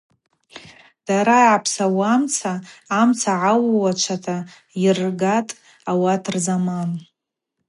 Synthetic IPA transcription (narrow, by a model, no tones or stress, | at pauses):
d̥aɾaapʰsawamt͡sʰaːmt͡sʰaʕawwat͡ʃʷʰatʰa | irɡatʼ | awatʰrzaman